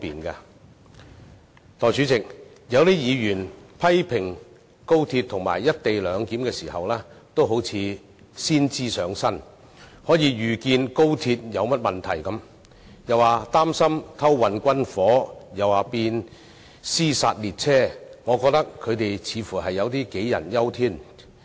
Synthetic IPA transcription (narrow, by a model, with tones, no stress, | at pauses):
ɔ˥piː˨nkaː˧ | t̪ɔː˨jt͡syː˨˥t͡sɪ˨k̚jɐ˨˧wliː˥jiː˨˧jyː˨˩npʰɐ˥jpʰɪ˨˩ŋ | ko˥wt̪ʰiː˧t̚t̪ʰʊ˨˩ŋma̰ː˨˩jːɐ˥t̚t̪e˨jlœː˨˧ŋkiː˨˥mkɛː˧siː˨˩hɐ˨wlɛː˥t̪o˥wɦo˨˥wt͡sʰiː˨˧ | siː˥nt͡siː˥sœː˨˥ŋsɐ˥n | hɔː˨˥jiː˨˧ɥyː˨˩kiː˧nko˥wt̪ʰiː˧t̚jɐ˨˧wmɐ˥t̚mɐ˨nt̪ʰɐ˨˩jkɐ˨˥m | jɐ˨waː˨˩t̪aː˥msɐ˥mt̪ʰɐ˥wːɐ˨nkʷɐ˥nfɔː˨˥jɐ˨˩waː˨˩piː˧n | siː˥sa̰ː˧t̚liː˨˩t̚t͡sʰɛː˥ŋɔː˨˧kɔː˧k̚t̪ɐ˥kʰːɵ˨˧ɥt̪e˨jt͡sʰiː˨˧fuː˨˩ɦɐ˨jːɐ˨˧wt̪iː˥ke˨˥jjɐ̰˨˩njɐ˥wt̪ʰiː˥n